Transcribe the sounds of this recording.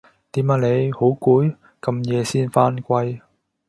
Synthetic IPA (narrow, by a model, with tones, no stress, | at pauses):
t̪iː˨˥maː˨˧˩le˨˧jho˨˥wkuː˨˥j | kɐ˧mjɛː˨˧siː˥nfaː˥nkʷɐ˥j